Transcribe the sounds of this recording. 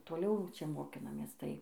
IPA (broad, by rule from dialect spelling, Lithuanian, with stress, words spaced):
toːˈlʲɛʊ ˈt͡ʃʲɛ moːˈkʲɪnɐmʲeːs ˈtɐɪ